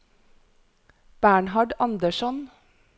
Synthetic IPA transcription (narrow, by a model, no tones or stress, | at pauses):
b̥æːɳhɑɖɑnd̪əʃɔn